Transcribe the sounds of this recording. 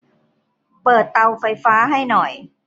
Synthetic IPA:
pɤː˨˩t̪ːa˧wfa˧jfaː˦˥ɦa˥˩jnɔ˨˩j

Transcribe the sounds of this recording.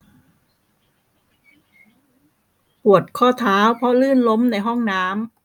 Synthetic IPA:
pu˨˩ət̪̚kʰɔː˥˩t̪ʰaː˦˥wpʰɾɔ˦˥lɯː˥˩nlo˦˥mna˧˩jɦɔ˥˩ŋnaː˦˥m

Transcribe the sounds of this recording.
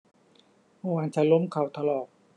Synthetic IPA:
moː˧˦waː˧˨nt͡ɕʰa˧˩lo˧˥˨mkʰa˨˩wt̪ʰa˧lɔː˨˩k̚

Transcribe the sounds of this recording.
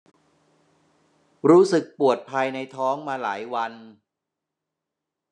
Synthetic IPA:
ɾuː˦˥sɯ˨˩k̚pu˨˩ət̪̚pʰaː˧jna˧jt̪ʰɔː˦˥ŋmaː˧la̰ː˩˦jwa˧n

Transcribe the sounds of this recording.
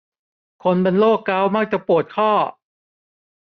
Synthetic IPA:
kʰo˧npe˧nloː˥˩kːa˦˥˩wma˧˥k̚t͡ɕa˨˩pu˨˩ət̪̚kʰɔː˥˩

